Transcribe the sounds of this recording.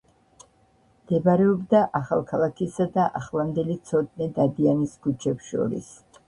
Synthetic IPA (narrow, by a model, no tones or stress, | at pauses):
md̪̥ɛbaɾɛɔbd̪aʔaχalˠkʰalˠakʰisad̪aʔaχlamd̪ɛlit̪sʰɔd̪̚nid̪ad̪ianiskut͡ʃʰɛpsʃɔ̰ɾḭs